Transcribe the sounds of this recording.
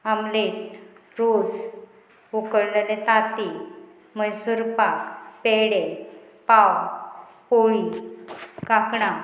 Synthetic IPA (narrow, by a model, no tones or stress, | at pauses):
amleʈɾod͡z | ukəɽləlet̪at̪i | məjsuɾpakpeɽe | paw | poɭi | kakɽa